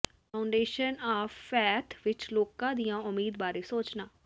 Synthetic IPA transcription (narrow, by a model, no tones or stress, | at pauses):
pʰaʊɳɖeːʃənaːfːɛːt̪ʰʋɪt͡ʃloːkãːd̪ijãːʊmːiːd̪baːɾeːsoːt͡ʃnaː